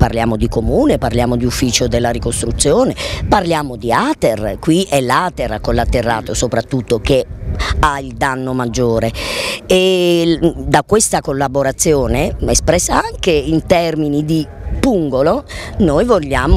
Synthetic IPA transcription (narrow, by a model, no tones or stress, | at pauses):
pa̰rljaːmod̪ikomuːneparljaːmod̪iufːiːt͡ʃod̪elːaɾikost̪ɾut̪sːjoːneparljaːmod̪iaːt̪erkwiʔɛlːaːt̪erkolːat̪ːerːa̰ːt̪osopɾat̪ːut̪ːokeaild̪anːomad͡ʒːoːɾee | d̪akwest̪akolːaboɾat̪sːjoːneespɾɛsːaaŋkeint̪ɛrminid̪ipuŋɡolonojvoʎːaːm